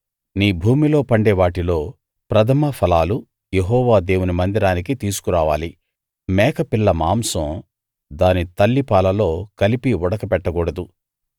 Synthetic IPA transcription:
niːbʱuːmilo̞ːpɐɳɖɛːʋaːʈilo̞ː | pɾɐt̪ʰɐmɐpʰɐlaːlu | jeɦɔːʋaːd̪e̞ːwunimɐnd̪iɾaːnik̬it̪iːsu̥kuɾaːʋaːli | mɛːkɐpilːɐmaːmsɐ̃ | d̪aːnit̪ɐlːipaːlɐlo̞ːkɐlipiɔɽɐkɐpɛʈːɐɡɔːɽɐd̪u

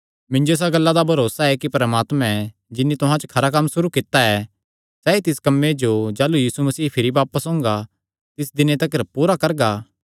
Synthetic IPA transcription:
mɪ̃nd͡ʒoɪs̬aɡɐlːad̪abʱɐɾoːsaɛkipɾɐmaːt̪mɛ̃ | d͡ʒɪnːit̪ʊɦãt͡ʃəkʰɐɾak̬ɐmːsʊɾukɪt̪aɛ | sɛːit̪ɪskɐmːed͡ʒod͡ʒaːlujiːsumɐsiːpʰɪɾibaːpəsõːŋɡa | t̪ɪsd̪ɪnet̪ɐkəɾpuːɾakɐɾɡaː

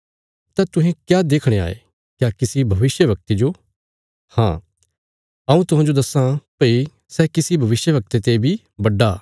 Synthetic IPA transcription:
t̪ɛ̃t̪ʊɦẽkjaːd̪eːkʰɽ̃ea̰ːḛ | kjaːkɪsibʱɐʋɪʃjəʋɐk̚t̪ed͡ʒoː | hã̰ː | ɐũt̪ʊɦãːd͡ʒod̪ɐsãpɐi | sɛːkɪsibʱɐʋɪʃjəʋɐk̚t̪et̪ebʱi | bɐɖːaː

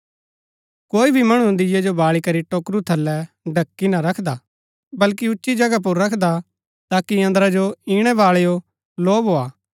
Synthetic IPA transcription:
koːibʱimɐɽ̃ũnd̪ɪjɛd͡ʒobaːɭikɐɾiʈoːkɾut̪ʰɐlːɛ | ɖʱɐkːinaɾɐkʰd̪aː | bɐlkiʊtːʃid͡ʒɐɡap̬ʊɾːɐkʰd̪a | t̪aːkiɐ̃nd̪əɾad͡ʒoiːɽ̃ɛbaːɭejo | loːbʱoːaː

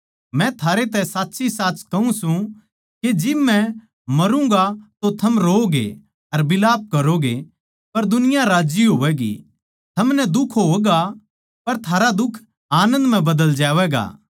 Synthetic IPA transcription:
mɛ̃t̪ʰaːɾet̪ɛ̃saːtːsisaːt͡ʃkɐũsũ | ked͡ʒɪbːɛ̃ | mɐɾũŋɡat̪ot̪ʰɐmɾoːɡḛ | ɐɾbɪlaːp̚kɐɾoɡe | pɐɾd̪ʊnɪjãɾaːd͡ʒjiɦoːʋɛːɡḭ | t̪ʰɐmnɛd̪ʊkʰɦoːɛɡa | pɐɾt̪ʰaːɾad̪ʊkʰ | aːnə̃nd̪m̤ɛ̃bɐd̪əld͡ʒaːʋɛːɡa̰ː

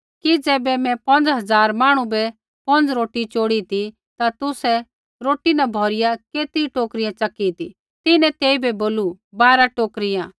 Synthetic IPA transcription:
kid͡zɛːbɛmɛ̃pɐ̃nd͡zɦɐd͡zaːɾmaːɽ̃ubɛ | pɐ̃nd͡zɾoːʈit͡ʃoːɽit̪i | t̪at̪ʊsɛ | ɾoːʈinabʱɔːɾɪjakeːt̪iʈoːkɾɪjãt͡ʃɐkːit̪i | t̪ɪnɛ̃t̪eːibɛboːlu | baːɾaʈoːkɾɪjãː

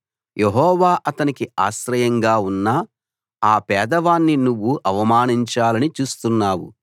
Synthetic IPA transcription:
jʔeɦɔːʋaːʔɐt̪ɐnikia̰ːʃɾɐjɐŋɡaːunːɐ | aːpɛːd̪ɐʋaːnːinuʋːuʔɐʋɐmaːniɲt͡ʃaːlɐnit͡ʃuːst̪unːaːwṵ

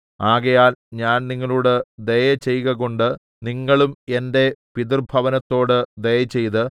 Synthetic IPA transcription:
aːɣɐjaːlɲaːnniŋːɐɭuːɽed̪ejɐt͡ɕe̞jɣɐɣo̞ɳɖɨ | niŋːɐɭume̞nde̞pid̪irbʱɐʋɐnɐt̪ːo̞ːɽɨd̪ejɐt͡ɕːe̞jt̪ɨ

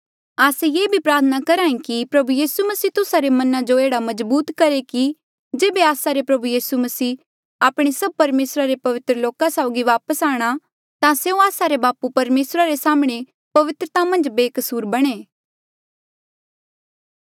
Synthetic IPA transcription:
aːsejeːbʱipɾaːɾt̪ʰənakɐɾaːĩkipɾɐbujiːsumɐsiːt̪ʊsaɾemɐnãd͡ʒoeːɽamɐzbuːt̪kɐɾeki | d͡ʒeːbeaːsaɾepɾɐbujiːsumɐsiː | aːpɽ̃esɐb̚pɐɾmeːsɾaɾepɐʋɪt̪ɾəloːkasaːʊɡiʋaːpəsaːɽ̃a | t̪ãseũaːsaɾebaːpupɐɾmeːsɾaɾesaːmɽ̃e | pɐʋɪt̪ɾət̪amɐ̃nd͡ʒbeːkəsuːɾbɐɽ̃eː

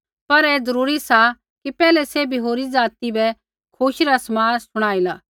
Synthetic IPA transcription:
pɐɾɛːzɐɾuːɾisa | kipɛːlɛsebʱiɦoːɾid͡zaːt̪ibɛ | kʰoːʃiɾasɐmaːnsʊɽ̃aːilaː

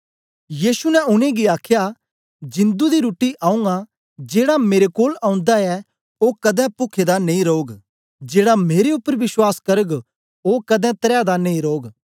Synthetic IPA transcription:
jiːsunɛʊnẽɡiaːkʰja | d͡ʒɪ̃nd̪ud̪iɾuːʈiʔaːũŋɡa | d͡ʒeːɽameːɾekoːlãːʊ̃nd̪aɛ | okɐd̪ɛ̃pʊkʰed̪anɐĩɾoːɡ | d͡ʒeːɽameːɾeʊpːəɾʋɪswaːskɐɾəɡ | oːkɐd̪ɛ̃t̪ɐɾad̪anɐ̃ĩɾoːɡ

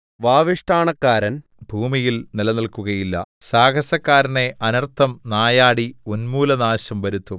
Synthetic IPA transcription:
ʋaːʋiʂʈʰaːɳɐkːaːɾɐn | bʱuːmijilnilɐnɐlkuɣɐjilːɐ̰saːɡɐsɐkːaːɾɐne̞ʔɐnɐrt̪ʰːɐmnaːjaːɽionmuːlɐnaːɕɐmʋɐɾut̪ːum

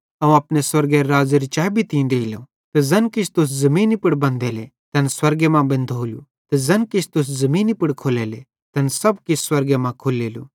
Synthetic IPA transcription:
ɐũɐpneswɐɾɡeɾaːzeɾit͡ʃaːibʱit̪ĩd̪eːilo | t̪ɛzɐnkɪt͡ʃʰt̪ʊs̬zɐmĩːnipɪɽbɐ̃nd̪ɛle | t̪ɐnswɐɾɡemãbɐ̃nd̪ʱoːlṵ | t̪ɛzɐnkɪt͡ʃʰt̪ʊs̬zɐmiːnipɪɽkʰoːlele | t̪ɐnsɐbkɪsswɐɾɡemãkʰolːeːlṵː

